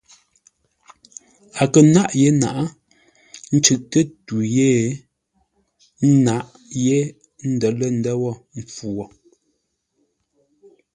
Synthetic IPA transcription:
a˨kə˨na˦ʔje˦na̰˨ʔa˦ | n̩˦t͡ʃʉ˨ʔtə˦tu˨je˦˨˦ | na˦ʔ | je˦ | n̩˦dɔ˨lə˦n̩˦dɛ˦wɔ˦˨m̩˨p͡fu˨wɔ˨

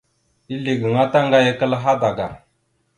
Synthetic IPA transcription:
i˦li˨ɡə˨ŋa˦ta˦ŋɡa˦jə˦kə˦lɦa˦da˨ɡa˨

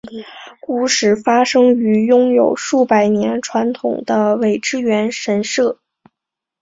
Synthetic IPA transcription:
ku˥˩ʂɻ̩˥˩fa˥ʂɤ˥ŋy˧˥jʊ˥ŋjo˨˩ʊʂu˥˩pa˨˩ɪnjɛ˧˥nʈ͡ʂʰwa˧˥nt̪ʰʊ̰˨˩ŋd̪ə˦we˨˩ɪʈ͡ʂɻ̩˥ɥɛ˧˥nʂə˧˥nʂɤ˥˩

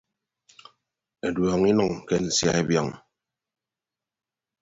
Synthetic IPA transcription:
e˨dwɔ˨ŋi˦nɔ˨ŋke˦n̩˨sja̰˦e˦bjɔ˦˨ŋ

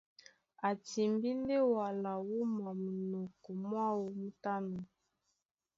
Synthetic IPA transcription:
a˨ti˨mbi˦nde˦wa˨la˨wu˦ma˨mu˨nɔ˨kɔ˨mwa˦wo˨mu˦ta˦no˨

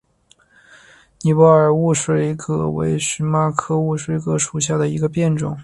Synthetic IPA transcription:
ni˨˩wɔ˧˥ə˞˨˩u˥˩ʂwe˥ɪkʰɤ˧˥wḛ˧˥ɪʂɻ̩˧˥ma˥kʰɤ˥˧u˥˩ʂwe˥ɪkʰɤ˧˥ʂu˨˩ɕja˥˩d̪ə˩i˧˥ɡə˧pjɛ˥˩nʈ͡ʂʊ˨˩˦ŋ

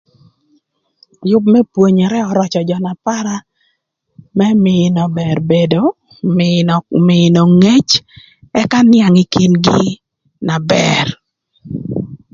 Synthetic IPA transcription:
jʊ˦b̚mɛ˦pwo˨ɲɛ˨ɾɛ˦ɔ˨ɾɔ˦t͡ʃɔ˨d͡ʒɔ˨na˨pa˦ɾa˦ | mɛ˦mɪnɔ˨bɛ˨rbe˨do˦ | mɪ˨no˨ŋe˦t͡ʃ | ɛ˦ka˦nɪa˨ŋi˦ki˨nɡɪ˦ | na˨bɛr

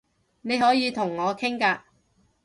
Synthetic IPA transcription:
ne˨˧jhɔː˨˥jiː˨˧t̪ʰʊ˨˩ŋːɔː˨˧kʰɪ˥ŋkaː˧

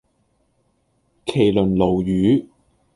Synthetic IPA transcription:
kʰe˨˩jlɵ˨˩nlo˨˩wjyː˨˥

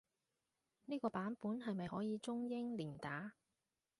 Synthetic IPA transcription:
niː˥kɔː˧paː˨˥npuː˨˥nɦɐ˨jmɐ˨jhɔː˨˥jiː˨˧t͡sʊ˥ŋjɪ˥ŋliː˨˩nt̪aː˨˥

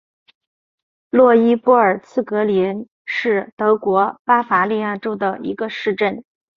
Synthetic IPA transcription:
lwɔ˥˩i˥pɔ˥˩ə˞˨˩t͡sʰɹ̩˥˩kɤ˧˥li˧˥n | ʂɻ̩˥˩t̪ɤ˧˥kwɔ˧˥pa˥fa˧˥li˥˧ja˥˩ʈ͡ʂo˥ʊd̪ə˨ḭ˧˥ɡə˧ʂɻ̩˥˧ʈ͡ʂə˥˩n

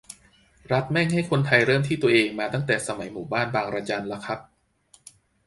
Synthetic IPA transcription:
ɾa˦˥t̪̚mɛ˥˩ŋha˥˩jkʰo˧nt̪ʰa˧jɾɤː˥˩mt̪ʰiː˥˩t̪u˧ɐʔeː˧ŋmaː˧t̪a˥˩ŋt̪ɛː˨˩sa˧ma˩˦jmuː˨˩˦baː˥˩nbaː˧ŋɾaː˧t͡ɕa˧nla˦˥kʰa˦˥p̚

